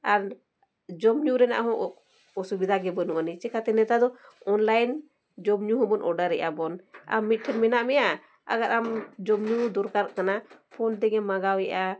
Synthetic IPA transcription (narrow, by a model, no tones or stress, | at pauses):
aɾ | d͡ʒɔmɲuɾɛna̰ʔɦɔ̃ʔ | ɔsubid̪ʱaɡɛbənuʔanit͡ʃɛkat̪ɛnɛt̪ad̪ɔɔnlajn | d͡ʒɔmɲuɦɔ̃bɔnʔɔɖaɾɛʔabɔna̰mmit̪̚ʈʰɛnmɛnaʔmɛja | a̰ɡaɾʔamd͡ʒɔmɲud̪ɔɾkaɾkanapʰɔnt̪ɛɡɛmaɡawɛʔa